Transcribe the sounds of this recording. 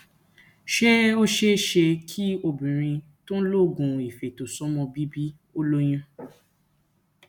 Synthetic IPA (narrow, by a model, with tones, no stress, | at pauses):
ʃe˦o˦ʃe˦ʃe˧kʰi˦o˧bĩ˨ɾ̃ĩ˧ | tõ˦lo˦˨ɡũ˧i˨fe˨to˨sɔ˨˦mɔ̃˧bi˦bi˦ | o˦lo˦j̃ã˦